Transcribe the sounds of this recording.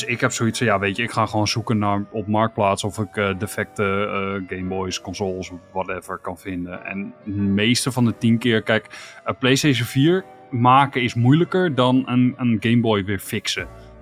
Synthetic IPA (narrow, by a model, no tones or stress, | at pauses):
dsɪkhɛpsoisjaʋetjəɪkxaχʋoːnsukənaɹɔpmɔɹk̚plaːtsɔfɪkədefɛk̚təɡejmbɔjskɔnzoːlˠsʋɔtɛvəɹkɑnfɪndəɛ̰nəmeːstəfɔndətinkɪːrkɛjkəpleːsteʃənfiəɹ | maːkəɪsmujləkəɹdɔnənənɡejmbɔjʋɪːɹfɪksə